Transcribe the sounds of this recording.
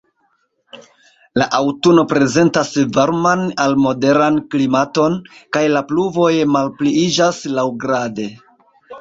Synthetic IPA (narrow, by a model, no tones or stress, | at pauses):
laʔawtuno̞pɾe̞ze̞ntasvaɾmanalmo̞de̞ɾanklimato̞nkajlapluvo̞jmalpliid͡ʒaslawɡɾade̞